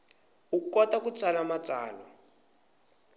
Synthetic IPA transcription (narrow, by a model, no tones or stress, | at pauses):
ukɔtakut͡sʰʼalamat͡saːlɔ